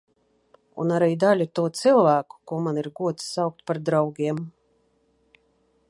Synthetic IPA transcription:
ṵnaɾijd̪alʲut̪uɔt̪silˠvæːku̥kuɔmaniɾɡuɔt̪ssawk̚t̪̚paɾd̪ɾawɡʲiɛm

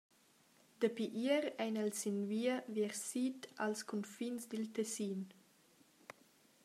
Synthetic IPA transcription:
d̪̥əpiʔiəɾɛjnalsinviəviɾsitalskʰɔnfinsd̪ilt̪ɛsiːn

